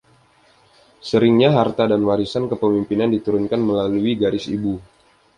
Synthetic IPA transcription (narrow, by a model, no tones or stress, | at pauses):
səɾɪŋɲaɦart̪adanwaɾisankəpəmimpinandit̪uɾʊnkanməlaluiɡaɾɪsḭbu